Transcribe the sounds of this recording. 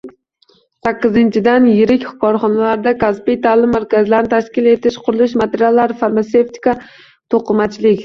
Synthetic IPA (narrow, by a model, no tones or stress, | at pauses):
sakʲːɪzɪnt͡ʃʰɪd̪anjɪɾɪkʲχʊkɒɾχɒnalaɾd̪akaspijt̪ʰalˠɪmːaɾkʲazɪlaɾnɪt̪ʰaʃkʲɪle̞t̪ʰɪʃqʰʊɾʊlˠɪʃmat̪ʰeɾijalːaɾɪfaɾmaseft̪ʰi̥ka | t̪ʰoqɨmat͡ʃʰlɪkʲ